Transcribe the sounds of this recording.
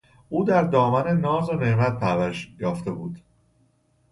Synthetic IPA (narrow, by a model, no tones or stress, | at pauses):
ʔuːd̪æɾd̪ɒːmæne̞nɒːzoneʔmæt̪̚pʰæɾvæɾʃjɒːft̪e̞buːd̪̥